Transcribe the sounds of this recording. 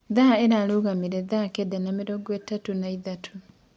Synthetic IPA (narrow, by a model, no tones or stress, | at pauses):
ðaeɾaluɣamiɾɛðakedanameɾoɡwetːatunaiðatʰu